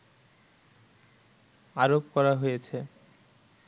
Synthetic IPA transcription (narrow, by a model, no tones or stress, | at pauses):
aɾopkɔɾaɦojet͡ɕʰe